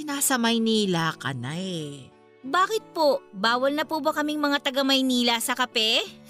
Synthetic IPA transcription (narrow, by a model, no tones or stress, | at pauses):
ɪnaːsɐmɐjniːlakɐ̰naɛ | baːkɪt̪̚pobaːwɐlnɐpuːbɐkɐmɪŋmɐŋat̪ɐɡɐmɐjniːlɐsɐkɐpɛ